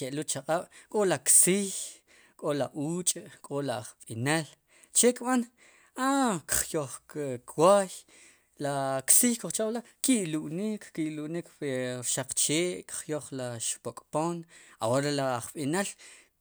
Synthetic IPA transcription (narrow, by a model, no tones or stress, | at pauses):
eʔlut͡ʃaqʼaɓ̥kʼolaksiːç | kʼolaʔuːt͡ʃʼkʼolaχɓinal | t͡ʃekɓan | akχjoχkʰwaːj | laksiːjkoχt͡ʃaɓla | kiʔluɓniːkkiluniːkɾʃaq͡χt͡ʃeːʔkχjoχlaʃpokʼpoːna̰woɾelaχɓinal